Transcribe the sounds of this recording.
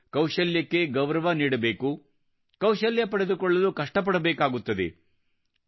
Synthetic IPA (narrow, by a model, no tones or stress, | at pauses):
kɐwʃɐljɐkːe̞ɡɐʋɾɐʋɐniːɽɐbeːku | kɐwʃɐljɐpɐɽed̪ukɔɭːɐlukɐʂʈɐp̬ɐɽɐbɛːkaːɡut̪ːɐd̪ḛ